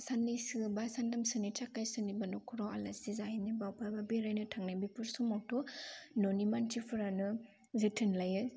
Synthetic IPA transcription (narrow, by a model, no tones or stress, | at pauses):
sanːisɯbasandamsɯnit͡ʃakːajsɯnibanɔkʰuɾɔalaizahinibawpʰajbabiɾajnɯtʰaŋnabipuɾsumɔwtʰɔnonimantʰipʰɯɾanɯ | zitʰɯnlajɯ